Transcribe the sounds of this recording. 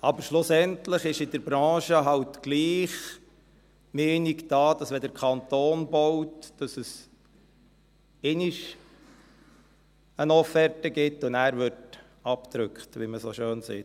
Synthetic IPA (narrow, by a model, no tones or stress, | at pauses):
ɑbəɾʃlʊsɛntləχɪʃɪdəɾbɾɑ̃ːʃəɦɑwtɡ̥liːχ | meːnikd̥ɑːd̥ɑsʋɛd̪əɾkʰɑntoːnbɔwtd̥ɑsəs | eniʃ | ənɔfɛɾtəɡɪtːʊnæːɾʋɪɾt | ɑpt̪ɾʏkχtʋiməsoʃøːnsɛ